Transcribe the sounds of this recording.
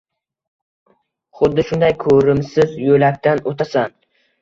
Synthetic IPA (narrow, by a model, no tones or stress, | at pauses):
χʊd̪ːɪʃʊnd̪ajkʰɵɾɪmsɪzjolak̚ʲt̪anot̪ʰasan